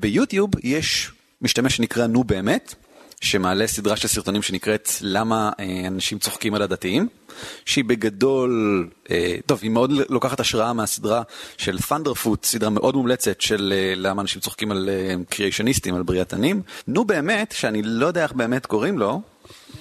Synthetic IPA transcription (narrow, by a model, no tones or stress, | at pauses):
bejutjubjeʃ | miʃtameʃenikʁanube̞ːmet | ʃemaːlesidʁaʃelsiʁto̞nimʃenikʁe̞tlamaeanaʃimt͡so̞χkimaladatiim | ʃeibe̞ɡado̞leto̞vimeo̞dlo̞kaχataʃʁaameasidʁaʃe̞lfandeʁfutsidʁameʔo̞dmumlet͡setʃelelamaːnaʃimt͡so̞χkimalekʁieʃonistimalbʁiatanimnube̞ːme̞tʃeanilo̞jdejaeχbe̞ːme̞tko̞ʁimlo̞